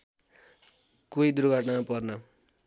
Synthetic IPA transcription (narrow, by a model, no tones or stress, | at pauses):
kujd̪uɾɡaʈnapʌrnʌ